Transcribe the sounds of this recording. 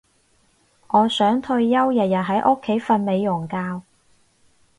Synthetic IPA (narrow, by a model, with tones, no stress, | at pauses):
ŋɔː˨˧sœː˨˥ŋt̪ʰɵ˧ɥːɐ˥wjɐ˨˩t̚jɐ˨˩ɦɐ˨˥jʔʊ˥kʰːe˨˥jfɐ˧nme˨˧jːʊ˨˩ŋkaː˧w